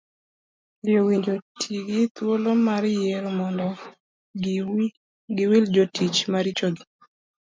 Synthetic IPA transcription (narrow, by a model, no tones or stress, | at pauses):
ɪjowiɲd͡ʒotʰiɡɪt̪wolomaɾɪjeɾomɔndɔ | ɡ | ɡɪwild͡ʒotit͡ʃmaɾit͡ʃoɡɪ